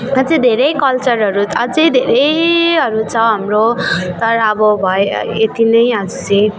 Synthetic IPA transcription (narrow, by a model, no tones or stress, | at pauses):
ʌd͡zid̪ʱeɾʌjkʌlt͡sʌɾɦʌɾuʌd͡zʌjd̪ʱeɾʌjɦʌɾut͡sʰʌɦʌmrot̪ʌɾʌʌbʌbʱʌḛet̪inʌjʌd͡zut͡sʌ